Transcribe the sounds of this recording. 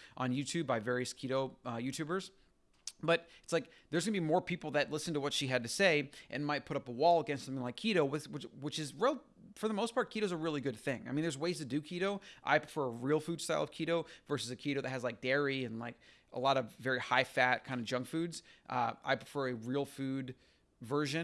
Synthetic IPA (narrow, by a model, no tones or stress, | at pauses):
ʔə̃njʉtʰʉbaɪvɛɹiɨskʰiɾoʊʌjʉtʰʉbə˞z | b̥ʌt̪̚ɨtslaɪk | ðə˞zɡʌnɨbimɔɹpʰipl̩ˠðɨtˡlɪsn̩təwʌtʃiɨd̚tɨseɪʔɨ̃nmaɪt̚pʰʊɾʌpəwɔlˠəɡɛ̃nstsʌ̃mɪ̃ŋlaɪkʰiɾoʊwɨðwɨt͡ʃwɨt͡ʃɨzɹɪlˠi | fə˞ðəmoʊspʰɑɹt̚kʰiɾoʊzəɹɪlˠiɡʊd̪̚θɪ̃ŋaɪmĩnðə˞zweɪz̥tʰɨdɨkʰiɾoʊʔa̰ɪpʰɹ̥əfɜ˞əɹilˠfʉd̥staɪlˠʌv̥kʰiɾoʊvɜ˞sɨzɨkʰiɾoʊðɨt̚hɨzlaɪk̚d̥ɛɹiɨ̃nlaɪk | ə̰lɔɾʌvːɛɹihaɪfæt̚kʰãɪ̃ndɨd͡ʒʌ̃ŋkfʉdz̥ʔʌ̰ʔa̰ɪpʰɹ̥əfɜ˞ɨɹilˠfʉd | vɜ˞ʒɨ̃